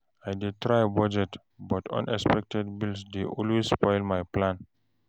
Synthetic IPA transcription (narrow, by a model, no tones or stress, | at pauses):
ajdetɹajbɔd͡ʒɛt | bɔtʰɔ̰̃nʔɛspɛk̚tɛd̚bilsdeʔɔlwesspɔjlmajplãn